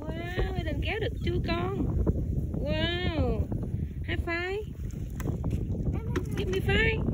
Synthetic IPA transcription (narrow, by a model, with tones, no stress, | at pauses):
wa˧ɗə˨˩ŋkɛ˨˦wɗɨ˨˩ək̚t͡ɕu˧əkɔ˧n | waː˧ | haː˧jfaː˧j | hiː˧˥mːɨ˧˩faː˧j